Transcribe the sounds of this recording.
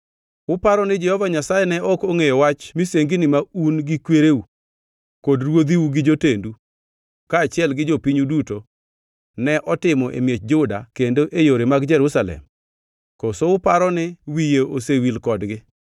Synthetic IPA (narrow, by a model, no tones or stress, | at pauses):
ʊpaɾɔnɪd͡ʒɛhɔvaɲasajɛnɛʔɔkoŋejɔwat͡ʃmiseŋɡinɪmaunɡɪkweɾewu | kodɾwod̪iwuɡɪd͡ʒotendu | kaːt͡ʃɪɛlɡɪd͡ʒopiɲuduto | nɛʔɔtɪmɔʔḛmjet͡ʃd͡ʒʊda̰kendoʔejoɾemaɡd͡ʒɛɾusalɛ̰m | kɔsoʊpaɾɔnɪwijeosewilkɔdɡɪ